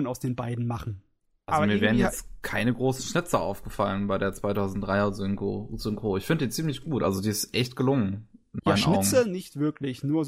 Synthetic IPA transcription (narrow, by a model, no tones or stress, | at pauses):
naʊsd̥eːnbaɪdn̩maχn̩ | ʔalazomiːɐvɛːʁ̞njɛt͡stkʰaɪnəɡʁoːsn̩ʃnɪt͡səʔa̰ʊfɡ̥əfalənbaɪɾeːɐt͡sv̥aɪtʰaʊzn̩t̚d̥ʁaɪɐzŋozʏŋkoːɪçfɪndəd̥iːt͡siːmlɪçɡ̥uːtʔa̰lzodiːɪstʔɛçtɡ̥əlʊŋənʔɪnjaɪnnʔɪʊɡənɪçtv̥ɪɐklɪçnuːɐz